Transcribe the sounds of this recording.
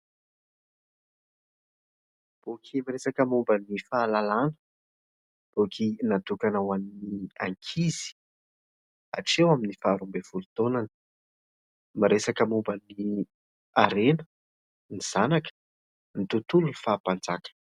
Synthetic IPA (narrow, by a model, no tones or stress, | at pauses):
b̥okʲʰimiɾesakəmumbənifaːlalanə̥ | b̥okʰinat̪ukanawaninia̰ŋkʰiz̥i̥ | a̰ʈ͡ʂewaminifaːɾumbev̥ulut̪onanə̥ | maɾesakəmumbəni | aɾenə̥ | niz̥anakə̥ | nit̪ut̪ulunifaːpand͡zakə̥